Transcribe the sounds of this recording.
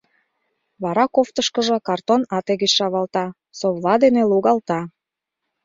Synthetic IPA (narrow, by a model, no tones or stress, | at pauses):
βɑɾɑkoft̪əʃkə̆ʒɤ̆kɑrt̪onɑt̪eɣet͡ɕʃɑβɑlt̪ɑ | soβlɑd̪eneluɣɑlt̪ɑ